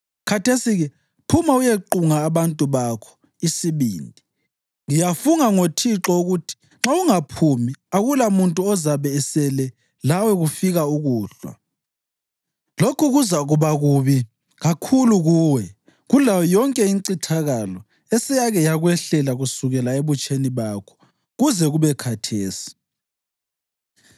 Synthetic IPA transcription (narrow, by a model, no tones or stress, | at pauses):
kʰatesiɣɛ | pʰumaujeǃuŋaːβantʼuβakʰɔ̥ | isiβḭːndʱi | ŋijafuŋaŋotʰiǁɔuɣutʰi̥ | ŋ͡ǁauŋapʰumiaɣulamuntʼuɔzaβɛːsɛlɛ | lawɛɣufiɣauɣuːɬwa̰ | lokʰuɣuzaɣuβaɣuβi | ɣakʰuluɣuːwɛ | ɣulawɔjɔŋkʼɛiŋǀitʰaɣalɔ | ɛsɛjaɣɛjaɣwɛɬɛlaɣusuɣɛlaeβut͡ʃʼeniβakʰɔ̥ | ɣuzɛɣuβɛkʰatʰeːsi̥